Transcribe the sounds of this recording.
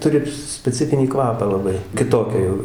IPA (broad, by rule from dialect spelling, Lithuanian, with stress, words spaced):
ˈtʊrʲɪ sʲpʲɛˈt͡sʲɪfʲɪnʲiː ˈkʋɑːpɑː lˠɐˈbɐɪ kʲɪˈtoːkʲɛ jɛʊ